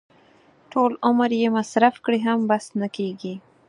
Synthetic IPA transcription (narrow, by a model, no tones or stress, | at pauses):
ʈʰolʊməɾjemasɾafkɽiɦambasnakeɡi